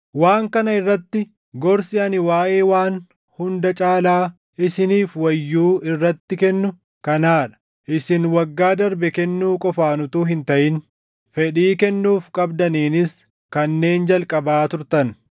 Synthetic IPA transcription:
waːŋkɐnɐɪrːɐt̪ːɪ | ɡɔɾsɪɐnɪwaːʔe̞ːwaːn | hʊnd̪ɐt͡ʃʼaːlaː | ɪsɪniːfwɐjːuːʔɪrːɐt̪ːɪkɛnːʊ | kɐnaːᶑɐ̥ | ʔɪsɪnwɐɡːaːd̪ɐɾbɛkɛnːuːkʼɔfaːnʊt̪uːɦɪnt̪ɐʔɪn | fɛᶑiːkɛnːuːfkʼɐbd̪ɐniːnɪs | kɐnːe̞ːnd͡ʒɐlkʼɐbaːt̪ʊɾt̪ɐn

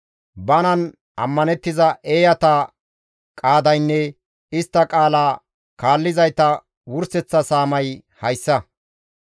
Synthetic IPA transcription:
bɐnɐn | ɐ̰mːɐnɛt̪ːɪzɐʔe̞ːjɐt̪ɐ | kʼaːd̪ɐjnːɛ | ɪst̪ːɐkʼaːlaː | kaːlːɪzɐjt̪ɐ | wʊɾsɛt͡sːɐsaːmɐjhɐjsːɐ

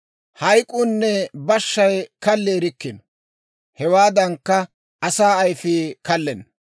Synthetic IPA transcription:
hɐjkʼʊnːɛbɐʃːɐjkɐlːeːɾɪkːɪn | hɛwaːd̪ɐŋkːɐ | ɐsaːɐjfɪːkɐlːɛn

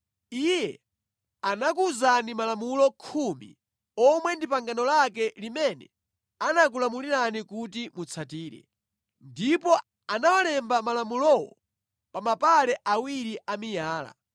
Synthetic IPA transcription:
ijɛ | anak̬uzanimalamulɔkʰumḭ | ɔmwɛndipaŋɡanɔlak̬ɛlimɛnɛ̰ | anak̬ulamuliɾanikutimut͡sʰatiːɾɛ̰ | ndipɔ | anawalɛmbamalamulɔwɔ̰ | pamapalɛʔawiɾiʔamijaːla̰

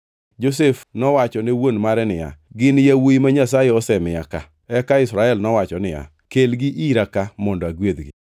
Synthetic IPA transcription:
d͡ʒos̬efnɔwat͡ʃɔnewonmaɾɛnɪja̰ɡɪnjawoimaɲasajɛɔsɛmɪjaka | ɛkaɪsɾaɛlnɔwat͡ʃɔnɪja̰ | kelɡɪʔiɾakamɔndɔaɡwed̪ɡɪ̰

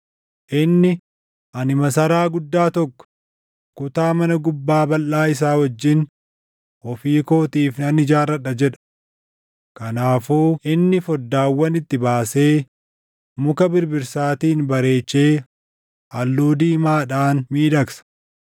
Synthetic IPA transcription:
ʔɪnːɪ | ʔɐnɪmɐsɐɾaːɡʊd̪ːaːt̪ɔkːɔ̥ | kʊt̪aːmɐnɐɡʊbːaːbɐlːaːɪs̬aːwɐd͡ʒːɪn | ɔfiːko̞ːt̪iːfnɐnɪd͡ʒaːrɐᶑɐd͡ʒɛᶑɐ̥ | kɐnaːfuːɪnːɪfɔd̪ːaːwːɐnɪt̪ːɪbaːse̞ː | mʊkɐbɪɾbɪɾsaːt̪iːnbɐɾe̞ːt͡ʃːe̞ː | ʔɐlːuːd̪iːmaːᶑaːnmiːd̪ɐksɐ̥

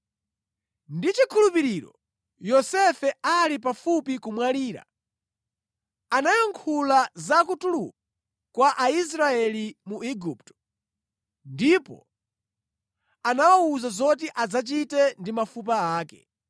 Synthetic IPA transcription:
ndit͡ʃikʰulupiɾiɾɔ̰ | jɔsɛfɛalipafupikumwaliːɾa̰ | anajaŋkʰulazakutuluku | kwaʔais̬ɾaɛlimuiɡup̚tɔ̥ | ndipɔ̰ | anawauzazɔt̬iʔad͡zat͡ʃitɛndimafup̬aaːkɛ̰

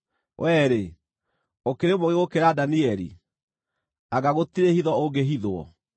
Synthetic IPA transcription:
wʔɛɾe | okeɾemoɣeɣokeɾadaniɛɾḭ | aɣaɣotiɾehiðɔoɡeɦiðoɔ̰

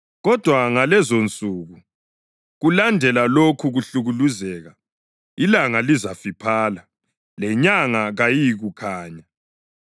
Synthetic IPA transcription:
ɣɔd̥ʱwaŋalɛzont͡sʼuːɣu | ɣulandʱɛlalokʰuɣuɬuɣuluzɛɣa | ilaŋalizafipʰaːla | lɛɲaŋaɣajiɣukʰaːɲa

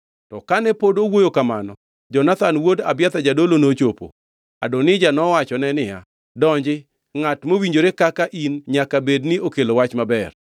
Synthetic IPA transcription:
tɔkanɛpodowojokamanɔ | d͡ʒɔnat̪anwodabjat̪ad͡ʒadolonot͡ʃopo̰ | a̰donɪd͡ʒanɔwat͡ʃɔnɛnɪja̰ | dɔɲd͡ʒɪ | ŋatmowiɲd͡ʒoɾekakaʔinɲakabednɪokelowat͡ʃmabɛr

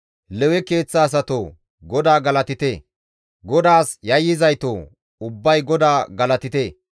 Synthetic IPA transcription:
lɛwɛke̞ːt͡sːaːs̬ɐt̪oː | ɡɔd̪aːɡɐlɐt̪ɪt̪e | ɡɔd̪aːsjɐjːɪzɐjt̪oː | ʊbːɐjɡɔd̪aːɡɐlɐt̪ɪt̪eː

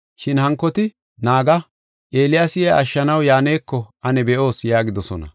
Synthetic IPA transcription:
ʃɪnhɐŋkːɔt̪ɪ | naːɡɐ | ʔeːlɪjasɪjaɐʃːɐnɐwjaːneːkːɔʔɐnɛbɛʔo̞ːsjaːɡɪd̪ɔsɔ̰nɐ̰

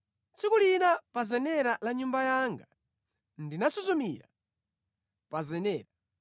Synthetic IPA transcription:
t͡sikulinapazɛnɛɾalaɲumbajaŋɡa | ndinasɔzumiɾa̰ | pazɛnɛːɾa

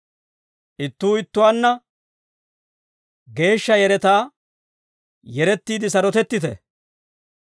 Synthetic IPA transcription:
ʔɪt̪ːuːɪt̪ːʊwanːɐ | ɡe̞ːʃːɐjɛɾɛt̪aː | jɛɾɛt̪ːiːd̪ɪs̬ɐɾɔt̪ɛt̪ːɪt̪ɛ̰

